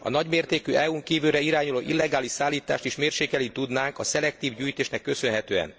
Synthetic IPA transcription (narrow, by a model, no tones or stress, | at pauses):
ɒ̰nɒɟmeːrt̪eːkyɛuŋkiːvylɾɛiɾaːɲuloːʔilːɛɡaːliʃsaːlːiːt̪a̰ːʃt̪iʃmeːrʃeːkɛlit̪ud̪naːŋkɒsɛlɛk̚t̪iːvɟyːjt̪eːʃnɛkːø̞sø̞nɦɛt̪øːɛ̰n